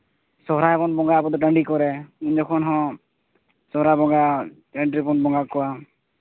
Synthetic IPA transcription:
sɔɦɾaɛpɔnbɔŋɡapɔt̪ɔʈaɳɖikɔɾɛund͡ʒɔkʰɔnɦɔ̃ | sɔɦɾabɔŋɡa | ɛɳʈɾipɔnbɔŋɡakɔwa

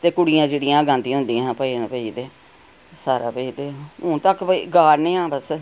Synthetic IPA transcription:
t̪eːkʊɽijãːd͡ʒeːɽijãːɡãːnd̪ĩɦʊ̃nd̪ijãpəiːɳpəiːd̪eː | saːɾa̰ːpəiːd̪eːʊt̪əkpəiːɡaːɾnẽːãːbəs

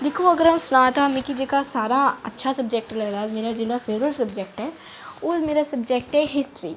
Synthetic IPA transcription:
d̪ɪkʰoɐɡəɾə̃sʊnaːt̪amẽkid͡ʒekasaːɾaɐ̰tːʃʰasɐbd͡ʒek̚ʈlɐlaːlmeːɾad͡ʒɪlafʰeːʋɾəlsɐbd͡ʒek̚ʈɦɛː | ʊmeːɾasɐbd͡ʒek̚ʈɦɛɦɪsʈɾḭː

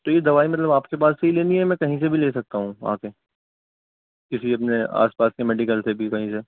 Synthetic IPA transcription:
t̪ojed̪ɐʋaːimɐt̪ləbaːpkep̬aːsːeɦileːniɦɛmɛ̃ːkɐɦĩs̬ebʱileːsɐk̚t̪aɦũa̰ːke | kɪsiɐpnea̰ːspaːskemɛːɖɪkəlsʰebʱikɐɦĩse

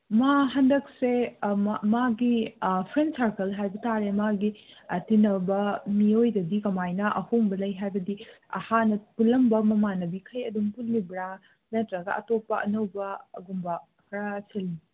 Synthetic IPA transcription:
maɦɐndɐk̚se | maɡipʰɾensaɾkɐlɦajbɐtaɾemaɡitinɐbɐmiojdɐdikɐmajnɐʔɐhoŋbɐlɐjɦajbɐdi | ɐ̰hanɐpulɐmbɐmɐmanɐbikʰɐjɐdumpulibɾa | nɐtɾɐɡɐ̰ʔɐ̰topːɐɐ̰nɐwbɐɐ̰ɡumbɐ | kʰɐɾaseli

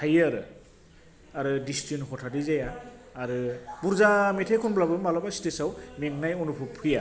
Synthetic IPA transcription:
tʰajaɾɯ | aɾɯdistɾinɦɔtʰadizajaːɾɯbuɾzametʰajkʰɔnblabɯmalabasi̥tʰesawmeŋnajɔnupʰupʰɯja

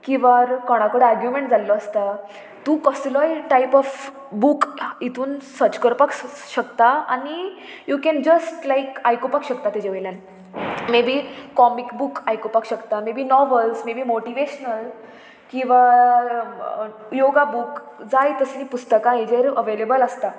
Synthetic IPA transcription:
kĩʋaɾkɔɽ̃ãkəɽaɾɡjumẽɳʈd͡zalːɔəst̪a | t̪ukɔslɔjʈajpɔf | bukit̪ʰuːnsət͡ɕkəɾpəkɕəkt̪aañi | jukɛ̃nd͡ʑəsʈlajkajkupakɕək̚t̪at̪id͡ʑeʋeljãn | mebʱikɔmikbukajkopakɕəkt̪amebʱiːnɔʋəlsmebʱiːmoʈiʋeɕnəl | kĩw̃ʋa | joɡabuk | d͡zajt̪əsĩpust̪əkãed͡ʑeɾəʋelebələst̪a

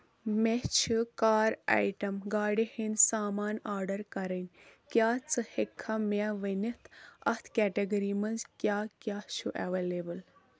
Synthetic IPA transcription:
met͡ʃʰikaːɾa̰jʈɐmɡaːɖihinsaːmaːnaːɾɖɐɾkɐɾɐnʲkʲjaːt͡sɨhekʰːameʋɐnit̪ʰɐ̰ht̪ʰkɛːʈɐɡɐɾiːmɐnzkʲjaːkʲjaːʃʰuʔɐʋeːlebɐl

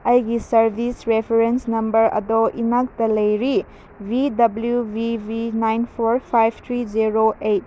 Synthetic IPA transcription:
ɐjɡisɐɾbʱisɾepʰeɾensnɐmbɐɾɐ̰doʔinak̚tɐlɐjɾi | bidɐbljubibinajnpʰoɾpʰajbʱt̪ʰɾiziɾoʔet̚

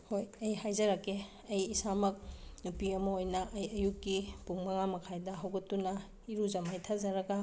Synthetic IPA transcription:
hojɐjhajzɐɾɐke | ɐjisamɐk̚nupiɐmɐojnɐʔɐjɐjukːipuŋmɐŋamɐkʰajdɐɦɐwɡɐtːunɐ | iɾuzɐmajtʰazɐɾɐɡɐ

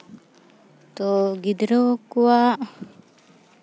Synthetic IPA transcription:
t̪oɡid̪ɾokuwaʔ

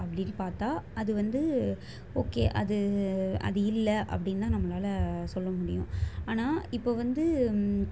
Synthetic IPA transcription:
ɐpːɐɽɪnːɯpaːɾt̪aːɐðɯʋɐnd̪ɯ | oːkːḛːʔɐ̰ðɯɐ̰ðɯɪlːɐʔɐ̰pːɐɽɪnt̪ãːnɐmːɐlaːlɐsɔlːɐmʊɽɪjʊ̰̃aːnaːɪpːoːʋɐnd̪ɯ

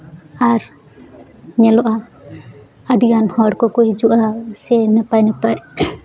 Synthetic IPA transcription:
aɾ | ɲɛlɔʔa | aɖiɡanhɔɽkɔkɔhid͡ʒuʔasɛnɛpajnɛpaj

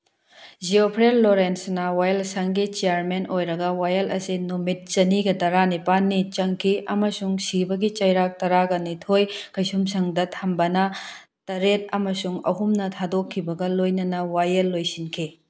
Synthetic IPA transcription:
d͡ʒiopʰɾelːoɾensnɐwajelsɐŋɡit͡ʃijaɾmenʔojɾɐɡɐwajɐlɐsinomit̚t͡ʃɐniɡɐdɐɾanipanːit͡ʃɐŋkʰiʔɐmɐsuŋsibɐɡit͡ʃɐjɾak̚tɐɾaɡɐnitʰojkʰɐjsumsɐŋdɐtʰɐmbɐnɐ | tɐɾet̚ɐmɐsuŋɐ̰ɦumnɐtʰadokʰːibɐɡɐlojnɐnɐwajɐlːojsinkʰi

